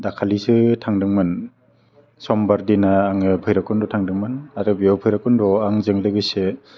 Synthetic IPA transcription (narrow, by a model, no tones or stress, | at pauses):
dakʰalisɯtʰaŋdɯŋmɯn | sɔmbaɾdinaːŋɯpʰɯjɾakɯndɔtʰaŋdɯŋmɯnadɯbiawpʰɯjɾakɯndɔaŋzɯŋlɯɡɯse